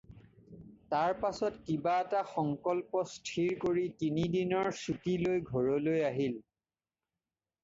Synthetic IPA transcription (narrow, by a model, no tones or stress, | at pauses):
taɹpasɔtkibaɛtaxɔŋkɔlpɔstʰiɹkoɹitinidinɔɹsutilojɡʱɔɹɔlojaɦil